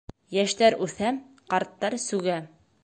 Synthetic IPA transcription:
jæʃt̪æɾʉθæm | qɑɾt̪ːɑɾsʉɡæ

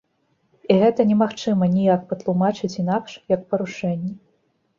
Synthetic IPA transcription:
iɣɛt̪ɐnʲɛmaxt͡ʂɨmɐnʲijak̚pɐt̪lˠumat͡ʂɨt͡sʲin̪akʂjɐk̚pɐɾuʂɛnʲːɛ

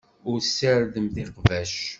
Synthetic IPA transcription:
ʊɾsːəɾðəmθɪqvæʃ

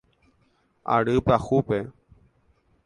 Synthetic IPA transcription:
a̰ɾɨpahupe

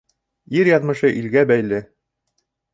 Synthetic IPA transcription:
iɾjɑðmɤ̆ʃɤʔilɡæbæjlɘ

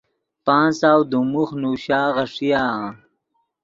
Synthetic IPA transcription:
paːnsaːwd̪umuxnuːɕaːʁɐʂijãː

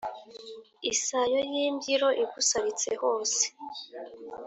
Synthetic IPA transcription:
isajojiːmbɟiɾo̞ʔiɡusaɾit͡se̞̰ho̞ːse̥

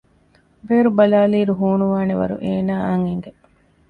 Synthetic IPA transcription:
beːɾubɐlaːliːɾuɦuːnuʋaːneʋɐ̰ɾṵʔeːnaːʔɐŋeŋɡe

